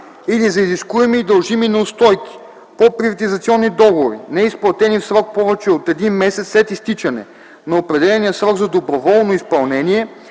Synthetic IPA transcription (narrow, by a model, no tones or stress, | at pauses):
ilizɐiziskuɛmiːd̪ɐlˠʒiminɐʊst̪ɔjk̟i̥ | popɾivɐt̪izɐt̪siɔnːid̪ɔɡovoɾḭnɛisplˠɐt̪ɛnifsɾɔk̚pɔvɛt͡ʃɛot̪ɛd̪inmɛsɛt̪slɛt̪ist̪it͡ʃɐnɛ̰ | nɐopɾɛd̪ɛlɛnijəsɾɔɡzɐd̪obɾovɔlˠnoispɐlˠnɛniɛ